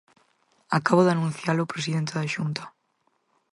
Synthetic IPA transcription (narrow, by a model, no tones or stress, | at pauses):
akaβoðanũnθjalʊpɾesiðent̪eðaʃunt̪ḁ